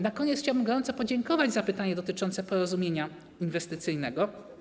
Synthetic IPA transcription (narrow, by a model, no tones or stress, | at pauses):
nakɔɲeɛt̪xt͡ɕawbɘmɡɔɾɔnt̪sɔpɔd͡ʑɛŋkɔvad͡ʑzapɘt̪aɲɛd̪ɔt̪ɘt͡ʂɔnt̪sɛpɔɾɔzumʲjeɲa | invɛst̪ɘt̪sɘjnɛɡɔ